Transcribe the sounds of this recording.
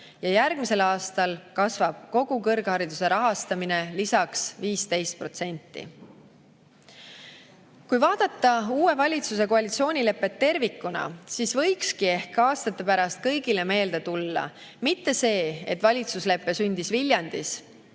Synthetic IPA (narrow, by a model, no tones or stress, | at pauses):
jɑjærɡ̥̚mise̞lɑːst̪ɑlkɑsvɑb̥̚ko̞ɡ̥ukɤrɡ̥hɑɾid̪use̞ɾɑɦɑst̪ɑmine̞lisɑksviːst̪e̞jst̪̚pro̞t̪se̞nʲt̪ˑːḭ | kujvɑːd̪̥ɑt̪ˑːɑuːe̞vɑlʲit̪sus̬e̞koɑlit̪sio̞ːnʲile̞pːe̞t̪ːe̞rvikːˑunɑ̰sisvɤ̞jkskie̞hkɑːst̪ɑt̪ːˑe̞pæɾɑst̪̚kɤ̞jɡile̞me̞ːld̪e̞t̪ulːɑ̰ | mit̪ːe̞se̞ːḛt̪ːvɑlʲit̪susle̞pːe̞synʲd̪isvilʲjɑnd̪̥is